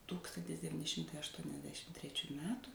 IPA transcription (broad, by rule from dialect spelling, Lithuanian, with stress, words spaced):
ˈtuːkstɐnʲtʲɪs dʲɛʋʲɪˈnʲɪ ˈʃʲɪmtɐɪ ɐʃtuɔnʲɛzʲˈdʲæːʃʲɪm tʲrʲɛˈt͡ʃʲuː ˈmʲæːtʊ